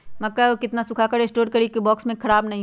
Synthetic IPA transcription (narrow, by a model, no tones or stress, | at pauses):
mɐkːaokɪt̪nasʊkʰakaɾeːsʈoːɾkɐɾikibɔːksmẽkʰɐɾaːbnɐɦĩ